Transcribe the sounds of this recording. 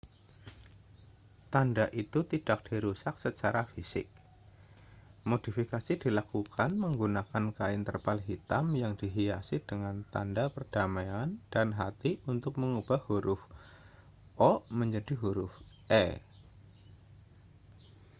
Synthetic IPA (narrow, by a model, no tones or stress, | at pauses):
t̪andaʔit̪ut̪id̥ak̚d̥iɾusak̚sət͡ʃaɾafisɪ̰k̚ | mod̥ifikasid̥ilakukanməŋɡunakankaɪnt̪ərpalɦit̪amjaŋdiɦiasɪd̥əŋant̪a̰ndapərd̥amajand̥anɦat̪iunt̪ʊk̚məŋub̥ahuɾʔʊf | ʔɔməɲd͡ʒadiɦuɾʊf | ʔɛ̰